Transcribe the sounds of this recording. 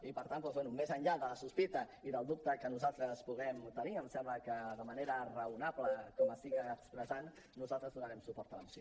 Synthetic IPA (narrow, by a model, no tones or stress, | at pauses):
ipəɾt̪anpɔzwɛnumezənʎaðələsuspit̪əiðəlˠd̪up̚t̪əkənuzalˠt̪ɾəspuɣ̞ɛmt̪əniəmsɛmbləkəðəməneɾərəunapləkɔməst̪iɣaːkspɾəzanː | uzalˠt̪ɾəzðunəɾɛmsupɔɾt̪ələmusio